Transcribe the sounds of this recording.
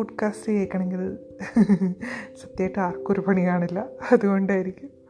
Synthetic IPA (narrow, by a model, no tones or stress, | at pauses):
uʈkaːstɨjeːkːɐɳeŋɡil | srɐt̪ːjaːjʈːɨaːrkːoɾupɐɳijaːɳilːɐɐðuɣo̞ɳɖaːjiɾikʲːum